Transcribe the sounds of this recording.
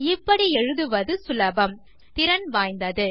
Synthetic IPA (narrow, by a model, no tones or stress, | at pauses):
ɪpːɐɽiɛɻɯðɯʋɐðɯsʊlɐbɐm | t̪ɪɾɐnʋaːjnd̪ɐðɯ